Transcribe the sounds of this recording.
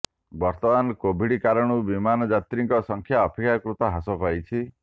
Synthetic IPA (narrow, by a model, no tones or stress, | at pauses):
bɔɾt̪ɔmankobʱiɽikaɾɔɽ̃ubimanɔd͡ʒat̪ɾiŋkɔsɔŋkʰjaɔpʰikakɾut̪ɔɦasɔpajt͡ʃʰi